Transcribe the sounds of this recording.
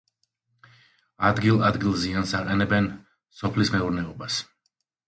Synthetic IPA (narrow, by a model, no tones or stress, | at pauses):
ad̪ɡilˠad̪ɡilˠziansaqʼɛnɛbɛn | sɔpʰlismɛuɾnɛɔbas